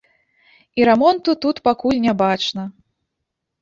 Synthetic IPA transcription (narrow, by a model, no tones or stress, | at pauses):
iɾɛmɔnt̪ut̪ut̪pakulʲnʲabat͡ʂnɐ